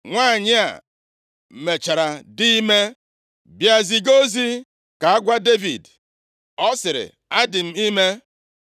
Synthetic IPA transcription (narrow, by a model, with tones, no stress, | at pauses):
ŋʷaː˦˨ɲɪ˦a̰˨ | m̩˨me˨t͡ʃa˨ɾa˨dɪ˦i˦me˦ | bja˨zi˨ɡo˦zi˦ | ka˨a˦ɡʷa˦de˦vḭ˨d | ɔ˦sɪ˨ɾɪ̰˨ | a˦dɪ˨m̩˨i˦me˦